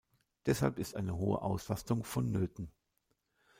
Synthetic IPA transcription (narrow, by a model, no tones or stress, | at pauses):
d̥ɛshalpɪstʔaɪnəɦoːə̰ʔaʊslastʊŋfɔnːøːtn̩